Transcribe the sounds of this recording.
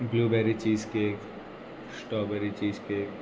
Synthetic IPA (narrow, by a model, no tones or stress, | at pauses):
bluːbɛːɾit͡ʃiːzkek | sʈɔːbɛɾit͡ʃiːzkeːk